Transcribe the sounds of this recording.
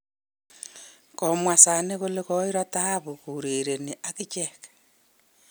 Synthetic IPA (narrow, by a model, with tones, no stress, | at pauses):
ko˨mwa˨sa˨ne˦ɣoleɣo˦i˦ɾɔ˦taβo˨ku˨ɾe˨ɾe˨ni˨ʔa˦ki˦t͡ʃe˨kḁ